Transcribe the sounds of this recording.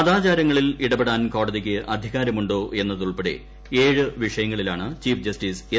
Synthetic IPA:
ɐðaːt͡ɕaːɾɐŋːɐɭiliɽɐbeɽaːnko̞ːɽɐðikʲːɨʔɐd̪ʱiɣaːɾɐmuɳɖo̞ːʔe̞nːɐðuɭpeɽe̞̰ | e̞ːɻɨʋiʂɐjɐŋːɐɭilaːɳɨt͡ɕiːfd͡ʑɐstiːse

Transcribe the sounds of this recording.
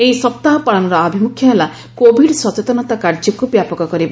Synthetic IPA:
eisɔp̚t̪aɦɔpaɭɔnɔɾɔabʱimukʰjɔɦela | kobʱiɖswɔt͡ʃet̪ɔnɔt̪akaɾd͡ʒɔkubjapɔkɔkɔɾiba

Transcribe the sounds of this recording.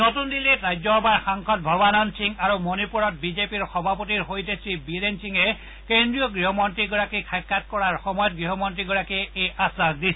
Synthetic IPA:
notundiletɹajzɔɔbaɹxaŋkʰɔt̚bʱɔbanɔnsiŋaɹumonipuɹɔt̚bizepiɹxɔbʱapotiɹɦojtesɹibilensiŋɛ | kendɹijɔɡɹiɦɔmɔntɹiɡɔɹakikʰajkʰːat̚kɔɹaɹxɔmɔjɔt̚ɡɹiɦɔmɔntɹiɡɔɹakiejʔasakdis

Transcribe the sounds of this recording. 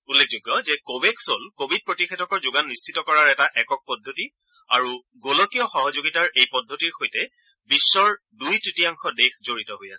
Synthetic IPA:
ulːek̚ʰd͡ʒoɡːɔzɛkobeksolkobʱid̚pɹotixetʰɔkɔɹzoɡanːist͡ʃʰitɔkɔɹaɹɛtaʔɛkɔk̚pɔdʱːoti | a̰ɹu | ɡolokijɔxɔɦɔzoɡitaɹejpɔdʱːotiɹxojtɛ | bisːɔɹ | dujtɹitijaŋxɔdexzoɹitɔɦojasɛ

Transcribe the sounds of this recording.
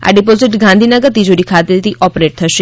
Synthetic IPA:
a̰ɖipoziʈɡãnd̪ʱinəɡəɾt̪id͡ʒoɾikʰat̪et̪iʔɔpɾeʈ̚t̪ʰəʃe

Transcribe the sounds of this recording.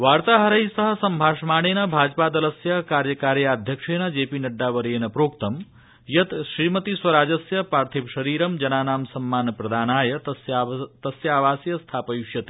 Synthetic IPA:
ʋaːɾt̪aːɦɐɾɐisɐɦɐ̆sɐmbʱaːʂmaːɽ̃eːnɐbʱaːd͡ʒpaːd̪ɐlɐsjɐkaːɾjɐkaːɾjɐaːd̪ʱjɐkʂeːnɐd͡ʒeːpinɐɖːaːʋɐɾeːnɐpɾoːkt̪ɐm | jɐt̪ʃɾiːmɐt̪iswʋɐɾaːd͡ʒɐsjɐpaːɾt̪ʰipʃɐɾiːɾɐmd͡ʒɐnaːnaːmsɐmːaːnpɾɐd̪ʱaːnaːjɐst̪ɐsjaːʋaːsjɐst̪ʰaːpɐjuʃjɐt̪e̥

